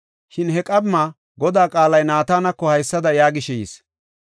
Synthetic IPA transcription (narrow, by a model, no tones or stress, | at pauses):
ʃɪnɦɛkʼɐbmaː | ɡɔd̪aːkʼaːlɐjnaːt̪aːnɐkːɔhɐjsːɐd̪ɐjaːɡɪʃɛjḭs